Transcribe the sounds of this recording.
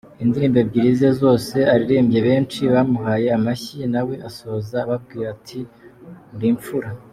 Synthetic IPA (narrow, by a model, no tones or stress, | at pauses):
indiɾiːmbe̞bɟiːɾize̞zo̞ːse̞aɾiɾiːmbɟe̞βe̞ːnt͡ʃiβamuɦaːjeamaçinawe̞ʔaso̞zaːβab̚ɡiːɾatʰindiːɱfuɾa